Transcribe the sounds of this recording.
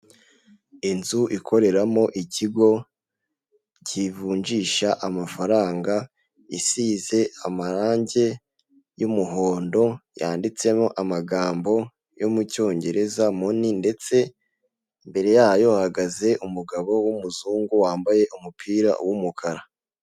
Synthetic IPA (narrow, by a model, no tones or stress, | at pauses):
inzuʔikʰo̞ɾe̞ɾamo̞ʔiciɡo̞ | civuːɲd͡ʒiːʃaʔamafaɾaːŋɡa | isize̞amaɾaːɲɟe̞ | jumuɦo̞ːndo̞ja̰ːndit͡se̞mo̞ʔamaɡaːmbo̞ | jomuco̞ːɲɟe̞ɾe̞zamoninde̞t͡se̞ | mbe̞ɾe̞jaːjo̞haɡaze̞ʔumuɡaβo̞wumuzuːŋɡuwaːmbaje̞ʔumupʰiːɾa̰wumukʰaɾa